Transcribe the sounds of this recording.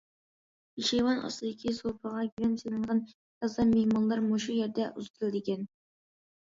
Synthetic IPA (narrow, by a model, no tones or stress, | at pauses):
iʃejwɑnʔɑ̰st̪ɨd̪ɪkʲʰisopʰəʁɑɡʲyɾɛnsenɨɴʁɑn | jɑzˠɑmehmɑnlˠɑɾmoʃujɛɾd̪ɛʔuzt̪ʰlˠd̪ɪkʲɛn